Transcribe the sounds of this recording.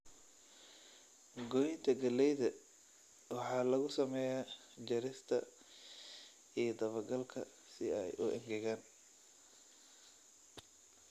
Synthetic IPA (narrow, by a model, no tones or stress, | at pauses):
ɡɔjɪnt̪ʰɐɡɐlɛjðɐ | wɑħɑːlɐɣʊsɐmɛjaː | d͡ʒɐɾɪst̪ʰɐ | ijd̪ɐβɐɡɐlkʰɐ̰ | sɪɛjʔʊʔɛŋɡɛɣaːn